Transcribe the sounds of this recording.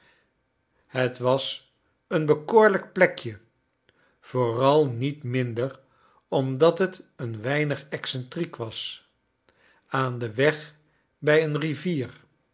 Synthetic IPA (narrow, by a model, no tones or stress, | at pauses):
hətʋɑs | ənbəkoːɹlək̚plɛkjə | v̥oːrɑlˠnitmɪndər | ɔmdɑtɦətənʋɛjnəχɛksɛntrikʋɑs | aːndəʋɛχ | bɛjənriviːr